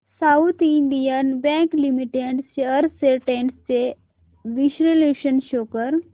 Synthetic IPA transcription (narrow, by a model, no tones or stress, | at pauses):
saut̪iɳɖijənbɛ̃ŋklimiʈeɖsəɾseʈeɳɖst͡ɕe | ʋiʃɾeleʃənʃoːkəɾ